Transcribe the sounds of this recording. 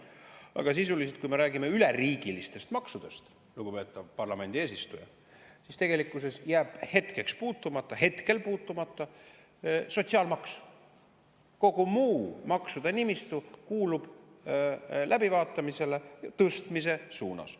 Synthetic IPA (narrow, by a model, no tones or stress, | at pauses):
ɑ̰ɡ̥ɑs̬isulis̬et̪̚kujme̞ɾæːɡime̞yleriːɡ̥ilist̪e̞st̪mɑksud̪̥e̞st̪ | luɡ̥upe̞ːt̪ːˑɑvpɑrlɑme̞nd̪̥ieːsist̪ujɑ̰ | sist̪e̞ɡ̥e̞likːˑuse̞sjæːb̥he̞t̪ke̞kspuːt̪ːˑumɑt̪ˑːɑɦe̞t̪ke̞lpuːt̪ːˑumɑt̪ˑːɑ | so̞t̪ʲsiɑlmɑksu̥ | ko̞ɡumuːmɑksud̪̥ɑnimist̪ukuːlub̥ | lʔæbivɑːt̪ˑːɑmise̞lejɑt̪ɤst̪mis̬e̞suːnɑ̰s